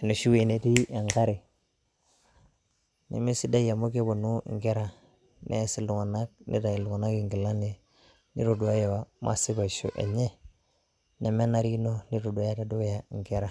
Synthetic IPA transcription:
nu˨ʃu˦we˨ne˨ti˦e˨ŋɡa˦ɾi˨ | nḭ˨mi˦si˦da˦ja˨mo˦ke˦bo˨nu˦ŋ˨ɡe˦ɾa˨ | nʔḛ˦si˨lu˨ŋa˨na˦k̚nḭ˦da˨i˨lu˨ŋa˨na˦ki˨ŋɡi˨la˦n˨e˨ | nḭ˦ɾo˨du˨a˦je˨wa˨mʔa̰˦si˦ba˨ʃo̰˨ʔḛ˨ɲe˦ | ne˨me˦na˦ɾi˦no˦ni˦ɾo˨du˨a˦ja˦ta˨do˦ja˨ŋɡe˦ɾa˨

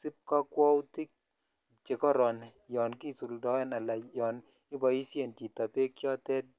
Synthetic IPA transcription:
si˦p̚ka˦kwɔ˦wti˦k̚ | t͡ʃe˨kɔ˦ɾɔ˨njɔ˨nki˦su˨ldɔ˨˦ɛ˦na˨la˨jɔ˨n | ɪ˦bɔ˨i˦sje˨nti˨ta˨pe˦kjɔ˦tɛ˦t̚

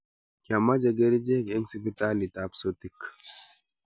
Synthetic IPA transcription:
kja˨ma˦d͡ʒa˨ɡe˦ɾi˦d͡ʒe˦˨kɛ˦ŋsi˦pi˦ta˦li˨ta˨pso˦t̪i˦k

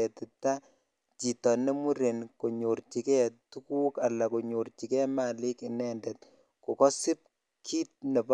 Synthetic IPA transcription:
ɛ˨tɪ˨ta˦ | t͡ʃi˨tɔ˨nːe˦mu˦ɾe˨nko˨ɲo˨ɾt͡ʃi˨kɛ˦tu˦kuː˦ka˨lːa˨ko˨ɲo˨ɾt͡ʃi˨kɛ˦ma˨lɪ˦kɪ˨nɛ˦ndɛt̚ | ko˨kɔ˦sɪ˦p̚ | kʰiː˦t̚ne˨p

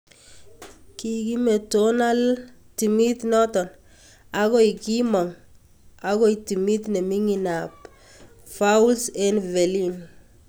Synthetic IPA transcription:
kiki˦me˨tona˦lti˨mi˦t̪nɔ˦tɔ˨n | aɣɔ˦iki˦mɔ˨ŋ | akɔ˦iti˨mi˦t̪ne˨mi˦ŋinap̚ | faulsɛ˦nvɛ˨lin

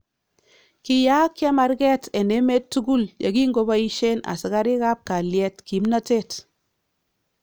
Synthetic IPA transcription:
ki˨ja˦kje˦ma˨ɾɡɛ˦tɛ˨ne˦me˦tːu˦ɡu˦lja̰˨ɡi˦ŋɡo˦ba˦i˦ʃe˦na̰˨si˨ka˦ɾi˦ka˦p̚ka˨ljɛ˦tki˨˦mna˦te˦t

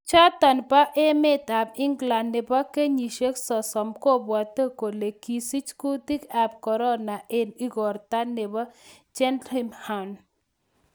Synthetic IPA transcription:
t͡ʃa˦t̪ɐ˨npa˦ʔe˦me˦t̪a˨pi˦ŋɡla˨nːe˨pa˦ke˦ɲi˨ʃe˦ksɔ˨sɔ˨mko˦ba˨t̪ːə˦ko˨le˨ki˨si˦t͡ʃku˦t̪i˦ka˨p̚kɔ˨ɾɔ˦na˨ʔeni˦ɡɔ˨ɾt̪a˦ne˨ba˦ | d͡ʒe˦nɾimha˨n

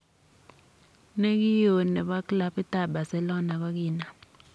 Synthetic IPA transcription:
ne˦k̬i˦jo˨nɛ˨ɓa˦kla˦pi˦ta˦˨ɓa˨sɛ˨lɔ˦na˨ɓa˦k̬iː˦˨na˨

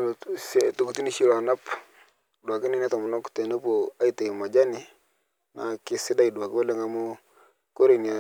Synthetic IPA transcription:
se˦tʊ˨ku˨ti˦ni˦ʃi˦la˨na˦p | dwa˨kɪ˦nɪ˦nɛ˦tɔ˨mʊ˨nɔ˦ktɛ˨nu˦po˨a˦i˦tɛ˨ma˨d͡ʒa˦nɪ˨ | na˨kɪ˨sɪ˦da˦i˨dwa˨kɪ˦wɔ˦lɛ˦ŋa˨mʊ˦ | ko˦ɾe˨na˨

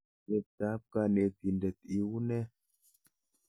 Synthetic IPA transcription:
kɛ˨p̚ta˨˦p̚ka˧ne˨t̪i˨ndɛ˨t̪̚i˦wu˦nɛ˦

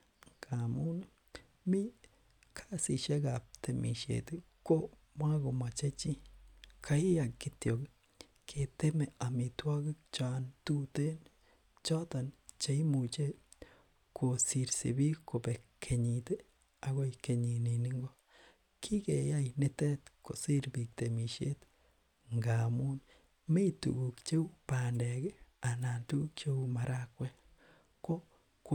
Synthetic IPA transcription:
kʰa˨mu˦ni˦ | mi˦ | kʰa˦si˨ʃe˦ɡa˨p̚t̪e˨mʔḭ˨ʃḛ˨t̪e˦ | ko˦ | mwa˦ɡo˨ma˨t͡ʃe˦t͡ʃi˦kʰa˦i˦ja˨ki˦t̪jo˨ɡi˦ | kʰe˨t̪e˦me˨a˨mi˨twa˦ɡi˦k̚t͡ʃa˨ntu˦te˦n | t͡ʃa˦ta˨nt͡ʃe˨˦i˦mu˨t͡ʃe˦ | kʰo˨si˨ɾsḭ˨bi˦kːo˨be˨kʰe˨ɲi˨te˦ | a˨ɡo˦ike˨ɲi˨ni˨ni˦ŋɡɔ˦ | kʰi˦ke˨ja˦jne˦tɛ˦tko̰˨si˦ɾbi˨k̚t̪e˨mi˨ʃe˦t | ŋɡa˨mu˦n | me˦itṵ˨ɡu˨kt͡ʃe˦u˦pa˨ndɛ˨ɡe˦a˨na˨ntu˦kt͡ʃe˦u˦ma˨ɾʔakwɛ˦ | ko˦ | k

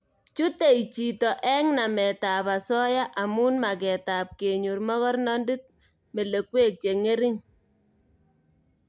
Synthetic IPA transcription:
t͡ʃu˦te˨i˨t͡ʃi˨tɔ˨ʔɛ˦ŋna˨mɛ˨ta˨pa˨sɔ˦ja˦ʔa˨mu˦nma˨k̬ɛ˨ta˨p̚ke˨ɲu˨rmɔ˦ɣɔ˦rnɔ˦ndɪ˦t̚ | me˨le˨kwe˦k̚t͡ʃe˨ŋe˦ɾi˦ŋ

